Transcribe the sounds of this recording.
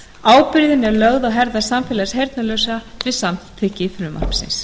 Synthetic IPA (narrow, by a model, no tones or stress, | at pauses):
aːwpɪɾðɪnɛɾlœɣðaɣɦɛɾðḁsamfɛːlasɦejɾt̪nalœwsat̪ʰvɪsamt̪ʰɪhcːɪfɾʏma̰r̥psɪ̰ns